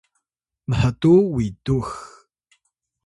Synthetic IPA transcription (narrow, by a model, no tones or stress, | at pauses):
məħətuwitux